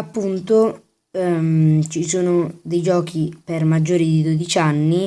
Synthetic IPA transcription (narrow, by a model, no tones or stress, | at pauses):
apːunt̪o | t͡ʃisuːnod̪ejd͡ʒɔːk̟ʰipermad͡ʒːoːɾid̪id̪od̪it͡ʃanːi